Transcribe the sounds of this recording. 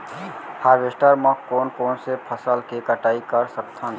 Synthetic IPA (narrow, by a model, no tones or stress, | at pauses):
haːʋesʈaɾmə̃koːnkoːnsepʰəsəlkekəʈaːikəɾsəkt̪ʰã